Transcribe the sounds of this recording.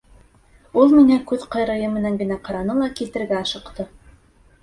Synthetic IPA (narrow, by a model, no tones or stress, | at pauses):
ulˠmiŋækʉðqɑ̆jɾɤ̆jɤmɘ̆næŋɡɘ̆næqɑɾɑnɤlˠɑkilt̪ɘ̆ɾɡæɑʃɤ̆qt̪ɤ